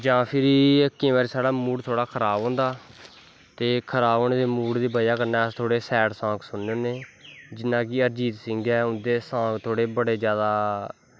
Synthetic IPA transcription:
d͡ʒãːpʰɪɾəkːẽːʋɛːɾesaːɽaːmuːɽt̪ʰoːɽaːkʰəɾaːbõːnd̪aː | t̪eːkʰəɾaːbõːneːd̪eːmuːɽd̪iːbəjaːkəɾnɛːst̪ʰoːɽeːsɛːʈsãːksʊnːõːneːd͡ʒɪnːãːkɪəɾd͡ʒiːt̪sɪ̃ŋɡɛːʊnd̪eːsãːkt̪ʰoːɽeːbəɽeːd͡ʒjaːd̪aː

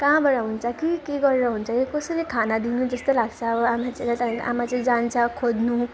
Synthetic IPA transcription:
kãbaɽaɦunt͡sʰʌkikeɡʌɾeɾʌɦunt͡sʰʌkikʌsʌɾikʰanad̪inud͡zʌst̪olaɡt͡sʰʌːbʌamat͡salat̪ʌpãkʔa̰mat͡sʌĩd͡zant͡sʰʌkʰod̪nu

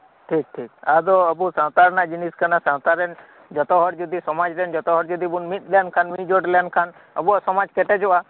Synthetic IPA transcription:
ʈʰik̚ʈʰikad̪ɔəbusãwt̪aɾnad͡ʒiniskanasãwt̪aɾen | d͡ʒɔt̪ɔɦɔɽd͡ʒud̪isɔmad͡ʒɾend͡ʒɔt̪ɔɦɔɽd͡ʒud̪ibunmit̪̚lankʰanmid͡ʒoʈlankʰan | ə̰buɔsɔmad͡ʒkeʈɛd͡ʒoʔa

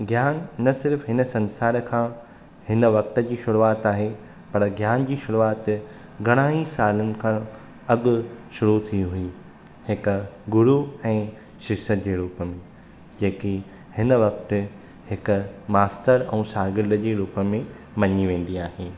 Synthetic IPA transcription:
ɡʱjaːnːɐsɪɾfɦɪnə̆sɐ̃nsaːɾkʰãː | hɪnəʋɐk̚t̪əd͡ʑiːʃʊɾuaːt̪aːɦe | pɐɾɡʱjaːnd͡ʑiːʃʊɾuaːt̪ | ɡɐɽ̃aːisaːlənɪ̆kʰã | ɐɡʊ̆ʃʊɾut̪ʰĩɦʊi | hɪkɡʊɾuɛ̃ː | ʃɪsət̪d͡ʑeːɾuːpəmẽ | d͡ʑeːki | hɪnəʋɐk̚t̪ɪ̆ | hɪkʊ̆maːsʈəɾɛ̃ːsaːɡɪɾɖəd͡ʑeːɾuːpəmẽ | mɐɲiʋẽːn̆d̪iaːɦen

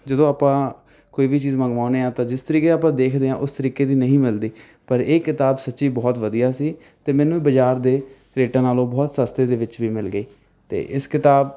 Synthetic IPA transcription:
d͡ʒəd̪õːaːpãː | koːiːʋiːt͡ʃiːzmə̃ŋɡʋaːʊneːãːt̪ãːd͡ʒɪst̪əɾiːkeaːp̬ãːd̪eːkʰd̪eːã̰ːʔʊst̪əɾiːkeːd̪iːnəɦĩːmɪld̪iː | pəɾeːkɪt̪aːbsətːʃiːbɔːt̪ʋəd̪ijaːsiː | t̪eːmɛːnũːiːbəd͡ʒaːɾd̪eː | ɾeːʈãːnaːlõːbɔːt̪səst̪eːd̪eːʋɪt͡ʃʋiːmɪlɡəiː | t̪ḛːʔɪskɪt̪aːb

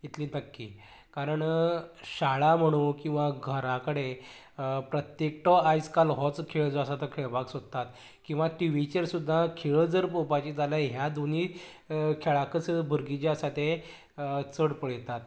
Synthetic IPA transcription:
it̪liːnəkːḭː | kaɾəɳɕaɭam̤əɽ̃ũkĩw̃ʋaɡʱəɾakəɽe | pɾət̪jek̚ʈ̪ɔajskalɦɔt͡skʰeɭd͡zɔəsat̪ɔkʰeɭbaksot̪ːat̪ | kĩw̃ʋaʈiʋit͡ɕeɾsud̪ʱːakʰeɭəd͡zəɾpopat͡ɕiːt̪alaɦjad̪ʱoni | kʰeɭakəsbʱəɾɡit͡ɕaəsat̪e | t͡səɽpəɭjet̪at̪̚

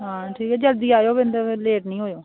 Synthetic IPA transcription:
ɦaãːʈʰiːkɛːd͡ʒəld̪iːaːjoːbɪnd̪əleːʈnĩːɦoːjoː

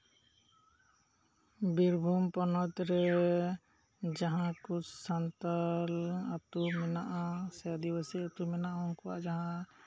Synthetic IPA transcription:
biɾbʱumpɔnɔt̪ɾɛ | d͡ʒaɦãkusant̪alat̪umɛnaʔasɛjad̪iwasiat̪umɛnaʔaɦɔŋkɔwa̰ʔd͡ʒaɦã

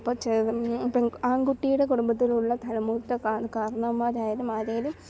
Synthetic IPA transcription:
pːɐt͡ɕɐpeaːŋɡuʈːijuɽe̞kuɽumbɐt̪ːiluɭːɐt̪ʰɐɭɐmuːt̪ːɐkakaːɾɐɳɐmːaːɾaːjɐɾumaːɾeːɐlum

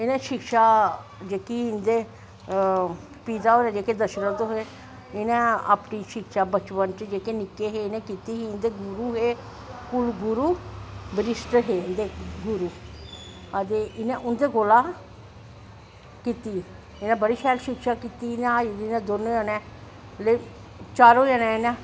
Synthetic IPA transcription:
ɪnɛ̃ːʃɪkʃaːd͡ʒeːkiɪnd̪eː | piːd̪aːɦoːɾɛ̃ːd͡ʒeːked̪əʃəɾət̪oɦe | ɪnɛ̃ːa̰ːpniːʃɪkʃaːbət͡ʃʋənt͡ʃd͡ʒeːkeːnɪkeɦeːɪnɛ̃ːkiːt̪iːɦiːɪnd̪eːɡʊɾuːɦeː | pʊlɡʊɾuːbəɾɪsʈɦeːɪnd̪eːɡʊɾuː | ət̪eːɪnɛ̃ːʔʊnd̪eːɡoːlaː | kiːt̪iː | ɪnɛ̃ːbəɽiːʃʰɛːlʃɪkʃaːkiːt̪iːɪnɛ̃d̪inɛ̃ːd̪ʊɾnejaːnɛ̃ː | le | t͡ʃaːɾoːjaːnɛ̃ːɪnɛ̃ː

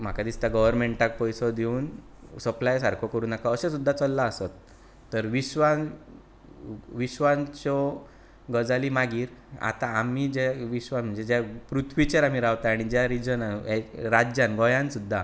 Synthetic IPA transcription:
m̤akad̪ist̪aɡəʋəɾmeɳʈak̚pɔjsɔd̪euːn | səplajsaɾkʰokəɾuːnakaəɕesud̪ʱːat͡səlːaːsət̪ː | əɾʋiɕʋãn | ʋiɕʋãnt͡ɕɔ | ɡəd͡zalimaɡiːɾa̰t̪aːmid͡ʑeʋiɕʋam̤əɳd͡zed͡ʑapɾut̪ʰʋit͡ɕeɾam̤iɾawt̪aaɽ̃id͡ʑjaɾid͡ʑənaneɾad͡ʑjanɡɔjãnsud̪ʱːa

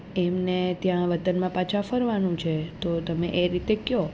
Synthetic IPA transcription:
emnet̪jãʋət̪ənmãpat͡ʃʰafəɾʋanũt͡ʃʰet̪ot̪əmeʔeɾit̪ekjo

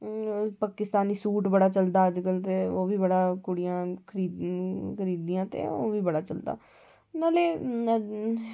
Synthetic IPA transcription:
paːkɪst̪aːniːsuːʈbəɽaːt͡ʃəld̪aːəd͡ʒkəlt̪eːoːʋiːbəɽaːkʊɽijãːkʰəɾiːd̪kʰəɾiːd̪iːãːt̪ḛːo̰ːʋiːbəɽaːt͡ʃəld̪a̰ː | naːleː

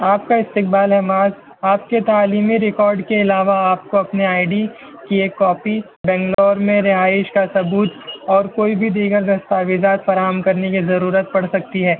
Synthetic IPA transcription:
aːp̚kaɪst̪ɪk̚baːlɦɛmaːz | aːpket̪aːliːmiɾɪkɔːɾɖkeɪlaːʋaaːp̚koɐpniaːɪɖi | kieːkːɔːpi | bɛ̃ːŋɡlɔːɾmẽɾɪɦaːɪʃkasɐbuːt̪ɔːɾkoːibʱid̪iːɡəɾd̪ɐst̪aːʋɪd͡ʒaːt̪fɐɾaːɦəmkɐɾnekizɐɾuːɾət̪̚pɐɽsɐk̚t̪iɦɛː

